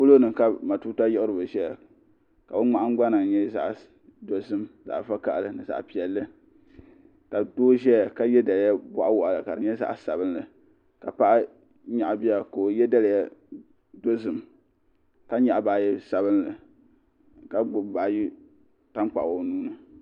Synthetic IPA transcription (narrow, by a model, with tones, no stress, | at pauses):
pʊ˦lo˦nɨ˨ka˦ma˨tu˦ta˦jɛ˦ʊ˦ɾɨ˨ba˨ʒɛ˦ja˨ | ka˨bɨ˦ŋ͡ma˦ʔa˦ŋ˦ɡ͡ba˦nɨ˨ŋ˨ɲɛ˦za̰˨ʔ | do˦zɨ˦mza̰˨ʔfa˦ka˨ʔlɨ˨nɨ˨za̰˨ʔpi˨ɛ˨lːɨ˦ | ka˨doː˦ʒɛ˦ja˨ka˦jɛ˦da˨lja˦ba˦ʔa˦wʊ˨ʔa˨lɨ˨ka˨ɾɨ˨ɲɛ˦za̰˨ʔsa˨bɨ˦nlɨ˨ | ka˨pa˦ʔa˦ | ɲa˨ʔbi˦a˦ko˨o˨jɛ˦da˦lja˦ | do˦zɨ˨m | ka˦ɲa˨ʔbaː˨jɛ˦sa˨βɨ˦n˦lɨ˨ | ka˨ɡ͡bʊ˨baː˨ji˦ | ta˦ŋ˦k͡pa˨o˨nuː˦nɨ˨